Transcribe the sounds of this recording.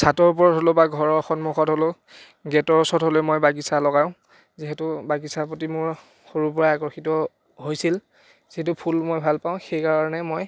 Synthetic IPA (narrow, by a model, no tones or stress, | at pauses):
satɔɹup̬ɔɹɔtɦolobaɡʱɔɹɔxɔnmuxɔtɦolo | ɡɛtɔɹɔsɔtɦolɛmojbaɡisalɔɡajʊ̃ | ziɦɛtʊbaɡisapotimʊɹ | xoɹup̬ɔɹaakɔxitɔ | ɦojsil | z̥iɦɛtʊpʰulmojbʱalpaʊ̃xejkaɹɔnɛmoj